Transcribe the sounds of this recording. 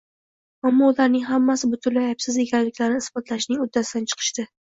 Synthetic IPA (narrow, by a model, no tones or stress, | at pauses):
amːɒʊlaɾnɪŋɦamːasɪbʊt̪ʰʊnlɪapsɪze̞kʲʰanlɪkʲlaɾnɪɪsbɒt̪laʃnɪŋʊd̪ːasɪd̪ant͡ʃʰɨ̥qʰɨ̥ʃd̪ɪ